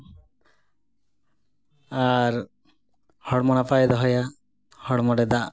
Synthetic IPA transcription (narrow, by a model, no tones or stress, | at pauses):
aɾ | hɔɽmɔnafajd̪ɔɦɔja | hɔɽmɔɽed̪a